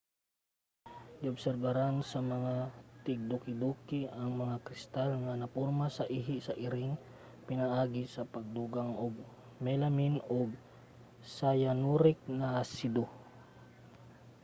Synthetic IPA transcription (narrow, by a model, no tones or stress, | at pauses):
ɡiʊbsɛɾbɐɾansɐmɐŋat̪ɪɡ̚d̪ukɪd̪ukɪʔɐŋmɐŋakɾɪst̪alŋɐnɐpoɾmasɐʔiɦɪsɐʔɪɾɪŋ | pɪnaʔaːɡɪsɐpɐɡ̚d̪uɡaŋʔoɡ̚ | mɛlɐminoɡ̚ | sajanuɾɪk̚nasid̪o